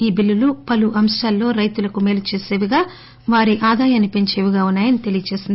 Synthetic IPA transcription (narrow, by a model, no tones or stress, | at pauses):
iːbilːulupɐluʔɐmʂʈɐːlːo̞ːɾɐjt̪ulɐkumeːlut͡ʃe̞ːse̞ːʋiɡaː | ʋaːɾiʔaːd̪aːjɐnːipe̞ɲt͡ʃe̞ːʋiɡaːunːaːjɐnit̪elijɐt͡ʃe̞ːsind̪i